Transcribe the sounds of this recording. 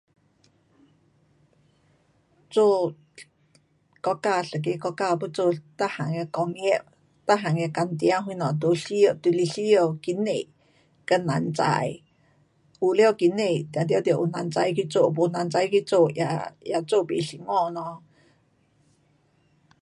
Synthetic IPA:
t͡so˧ | kɔ˧ka˧ɬə˨k̬i˧kɔ˧ka˧pə˦t͡so˧t̪a˦ha˨ŋə˧kɔ˧ŋe˦ʔ | t̪a˦ɦa˨ŋjə˧ka˧nt̪jã˦ɦwi˧nɔ̃˨t̪u˧ɬjə˧ʔt̪u˧li˧ɬi˦ə˧˨ki˧ne˧˨ | kə˧na˧˨nt͡sa̰˧j | u˧li˦o˧ki˧ne˧˨t̪a˨d̪jo˧d̪jə˧˨ʔṵ˧˨na˧nt͡sa˧jki˧t͡so˦˨ʔpu˧na˧nt͡sa˧jki˧t͡so˧jaja˧˨t͡so˦˨pi˨ɬi˧˨ŋɔ̃˦˧nɔ̃˧

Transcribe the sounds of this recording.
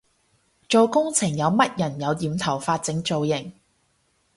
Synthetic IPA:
t͡ʃo˨wkʊ˥ŋt͡sʰɪ˨˩ŋjɐ˨˧wmɐ˥t̚jɐ˨˩njɐ˨˧wjiː˨˧mt̪ʰɐ˨˩wfaː˧t̚t͡sɪ˨˥ŋt͡so˨wjɪ˨˩ŋ

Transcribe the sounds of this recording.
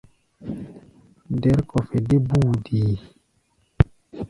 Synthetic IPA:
dɛ˨˦ɾkɔ˨fe˨de˦bu˦˨diː˨

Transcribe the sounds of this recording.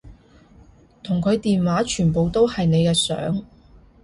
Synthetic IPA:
t̪ʰʊ˨˩ŋkʰɵ˨˧ɥt̪iː˨nwaː˨˥t͡ʃʰyː˨˩npo˨wt̪o˥whɐ˨jne˨˧jkɛː˧sœ̰ː˨˥ŋ

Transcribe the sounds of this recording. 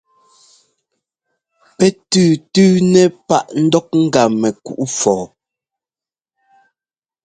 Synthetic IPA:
pɛ˦tʉː˦˨tʉː˦nɛ˦pa˦ʔn̩˦dɔ˦k̚ŋ̩˦ɡa˨mɛ˨kṵ˨ʔu˦fɔː˨

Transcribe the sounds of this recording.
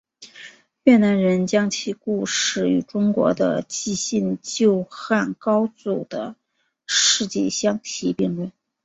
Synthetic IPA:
ɥɛ˥˩na˧˥nɻə˧˥nt͡ɕjɑ˥ŋt͡ɕʰi˥˧ku˥˩ʂɻ̩˨˩y̰˧˩˥ʈ͡ʂʊ˥ŋkwɔ̰˧˥d̪ə̰˧t͡ɕi˥˧ɕi˥˧nt͡ɕjo˥˧ʊxa˥˩nkɑ˥ʊt͡su˨˩d̪̥ə˦ | ʂɻ̩˥˧t͡ɕjɛ̰˥˧ɕjɑ˥ŋt̪ʰi˧˥pi˥˧ŋlə˥˩n

